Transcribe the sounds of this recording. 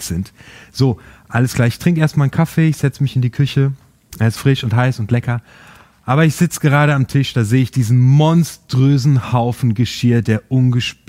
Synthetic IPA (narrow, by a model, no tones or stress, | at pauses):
z̥ɪntz̥oːʔaləskl̥aːɐɪçtʁ̥ɪŋkʔeːɐstmaːlnkʰafeːɪçz̥ɛt͡səmɪçɪndiːkʰʏçə | ʔeːɐɪstfʁ̥ɪʃʊntɦaɪsʊntlɛkɐ | ʔaːbɐɪçz̥ɪt͡səɡəʁ̞aːɾəamtʰɪʃd̥aːzeːəɪçd̥iːzn̩mɔnstʁ̥øːzn̩haʊfn̩ɡəʃiːɐdeːɐʔʊnɡəʃp